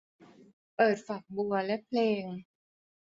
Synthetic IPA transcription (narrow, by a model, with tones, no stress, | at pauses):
pɤː˨˩t̪̚fa˨˩k̚bu˧ɐlɛ˦˥pʰleː˧ŋ